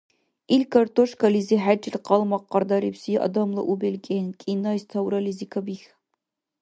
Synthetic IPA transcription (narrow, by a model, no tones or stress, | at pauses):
ilkʰɐrt̪ʰʼoʂkʰɐliziħad͡ʒɪlqɑlˠmɐqːɐrd̪ɐɾipsiʔɐ̰d̪ɐmlˠɐ̰ʔubelkʲʼenkʲʼinɐjst̪ʰɐwɾɐlizikʰɐbix